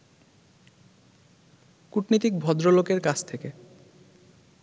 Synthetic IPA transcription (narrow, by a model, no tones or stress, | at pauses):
kuʈnit̪ik̚bʱɔd̪ɾolokeɾkat͡ɕʰt̪ʰeke